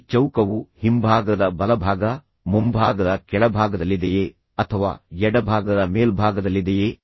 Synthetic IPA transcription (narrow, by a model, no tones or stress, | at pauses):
t͡ʃɐwkɐʋuhimbʱaːɡɐd̪ɐbɐlɐbʱaːɡɐ | mumbʱaːɡɐd̪ɐkɛɭɐbʱaːɡɐd̪ɐlːid̪ejeː | ɐt̪ʰɐʋa̰ːjɛɽɐbʱaːɡɐd̪ɐmeːlbʱaːɡɐd̪ɐlːid̪ejeː